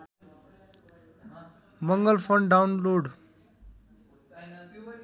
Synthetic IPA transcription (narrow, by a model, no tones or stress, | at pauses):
mʌŋɡʌlpʰʌnɖawnloɖ